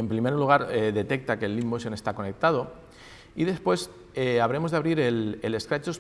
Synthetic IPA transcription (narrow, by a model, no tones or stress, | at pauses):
empɾimeɾoluɣ̞aɾeðe̞t̪e̞k̚t̪ake̞lːimːosjonest̪ako̞nek̚t̪að̞o | iðe̞spwe̞s | eaβ̞ɾe̞mo̞zðaβɾiɾelele̞skɾat͡ʃos